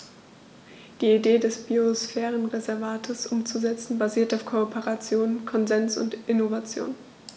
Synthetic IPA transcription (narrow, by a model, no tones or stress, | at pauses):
d̥iːideːdɛsb̥iosfɛːʁənʁezɛɐvaːtʰəsʔʊmt͡suzɛt͡sn̩baziːɐtaʊfkʰoːpʰeʁat͡sjoːnkʰɔnzɛnsʊ̰ntʔɪnovat͡sjo̰ːn